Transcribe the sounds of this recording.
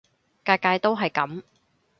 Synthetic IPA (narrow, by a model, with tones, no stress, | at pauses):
kaː˧jkaː˧jt̪o˥wɦɐ˨jkɐ˨˥m